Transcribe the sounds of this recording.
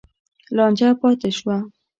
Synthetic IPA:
lɑnd͡ʒapɑt̪eʃwa

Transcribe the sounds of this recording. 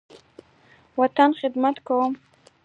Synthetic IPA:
wat̪anχɪd̪mat̪kawəm

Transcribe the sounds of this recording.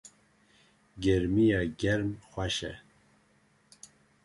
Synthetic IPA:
ɡɛɾmijɑɡɛɾmxʷaʃɛ̰

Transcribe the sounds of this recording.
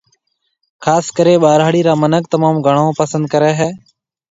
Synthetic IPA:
kʰaːskəɾeːɓaːɾaːɽiːɾaːmənəkt̪əmaːmɡʱəɳõːpəsənd̪̚kəɾɛːɦɛː

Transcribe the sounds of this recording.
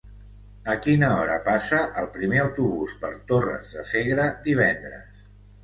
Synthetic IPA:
əkinəɔɾə̰pasəʔəlˠpɾimeəwt̪uβuspə̰ɾt̪orə̰zðəseɣɾəd̪iβ̞ɛnd̪ɾə̰s

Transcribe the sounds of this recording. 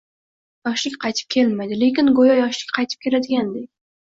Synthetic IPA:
jɒʃlɪkʲqʰɑjt̪ʰɪ̥p̚kʲʰe̞lmajd̪ɪle̞kʲɪnɡojɒjɒʃlɪkʲqʰɑjt̪ʰɪp̚kʲʰe̞lad̪ɪɡʲand̪ekʲ

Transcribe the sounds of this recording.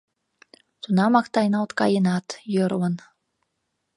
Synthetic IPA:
t̪unɑmɑkt̪ɑjnɑlt̪kɑjənɑt̪jəɾwən

